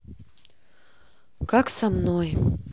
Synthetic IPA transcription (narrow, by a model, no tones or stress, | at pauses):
kaksamnoj